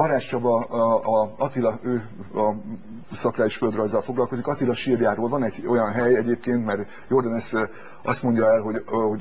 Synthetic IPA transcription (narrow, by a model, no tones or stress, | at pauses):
bɒɾaːt͡ʃːɒbɒ | ɒt̪ilɒøː | ɒ | sɒkraːjiʃføld̪rɒjzːɒlfo̞ɡlɒlko̞zikɒt̪ilɒʃiːrjaːɾoːlvɒnɛɟo̞jɒnɦɛjɛɟeːp̚keːnt̪mɛr | jo̞rd̪ɒnɛs | ɒ̰st̪mo̞ɲɟɒɛlɦo̞ɟho̞